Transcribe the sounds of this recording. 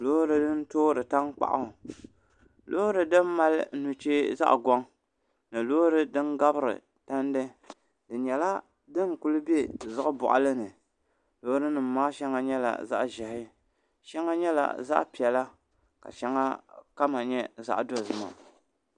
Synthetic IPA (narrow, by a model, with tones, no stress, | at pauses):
loː˦ɾɨ˨dɨ˦n˦toː˦ɾɨ˨ta˦ŋk͡pa̰˨ʔa̰˦ʊ˨ | loː˦ɾɨ˨dɨ˦m˦ma˦lnu˨t͡ʃeː˦za̰˦ʔɡʷɔ˦ŋ | nɨ˨loː˦ɾɨ˦dɨ˦nɡa˦bɨ˦ɾɨ̰˨ | ta˦n˦dɨ˦ | dɨ˨ɲɛ˨la˦ | dɨ˦ŋ˨ku˦lɨ˦be˦zɨ˦ʔʊ˦bʊ̰˨ʔa̰˨lɨ˦nɨ˨ | loː˦ɾɨ˦nɨ˨m˦maː˦ʃɛ˦ŋa˦ɲɛ˦la̰˨za̰˦ʔʒɛ˨hɪ˦ | ʃɛ˦ŋa˦ɲɛ˦la̰˨za̰˦ʔpi˨ɛ˨la˦ | ka̰˨ʃɛ˦ŋa˦ka˦ma˨ɲɛ˦za̰˦ʔdo˦˨zɨ˦ma̰˨